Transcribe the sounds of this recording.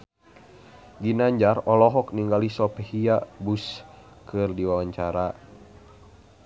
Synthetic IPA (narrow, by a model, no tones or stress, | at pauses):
ɡinaɲd͡ʒarɔlɔɦɔkniŋɡalisɔpɛhiabus | kɨrdiwawaɲt͡ʃaɾa